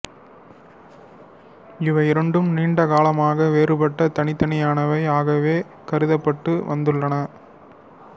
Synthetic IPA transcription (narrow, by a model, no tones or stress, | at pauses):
ɪʋɐɪɾɐɳɖɯmniːɳɖɐɣaːlɐmaːɣɐʋeːrɯpɐʈːɐt̪ɐɳɪt̪ːɐɳɪjaːnɐʋɐɪaːɣɐʋeː | kɐɾɯðɐpːɐʈːɯʋɐnd̪ɯɭːɐnɐ